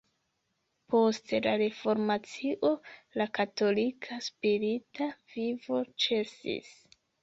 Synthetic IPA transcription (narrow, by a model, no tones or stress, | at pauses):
po̞stelaɾe̞fo̞ɾmat͡siʔo̞lakato̞likʰaspiɾitavivo̞t͡ʃe̞sḭs